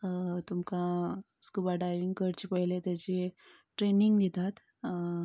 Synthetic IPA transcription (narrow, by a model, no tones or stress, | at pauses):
t̪umka | skubaɖajʋiŋɡkəɾt͡ɕːpəɦilet̪ɛt͡ɕi | ʈɾeniŋɡd̪it̪at̪